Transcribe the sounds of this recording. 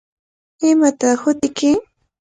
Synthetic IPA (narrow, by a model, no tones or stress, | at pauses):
ɪmat̪ahʊt̪ɪkɪ